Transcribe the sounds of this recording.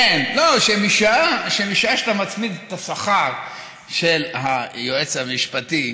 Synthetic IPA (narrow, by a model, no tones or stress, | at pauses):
enloʃemiʃaʃemiʃaʃat̪amat͡smid̪et̪asaχaʁ | ʃelhajoʔet͡shamiʃpat̪i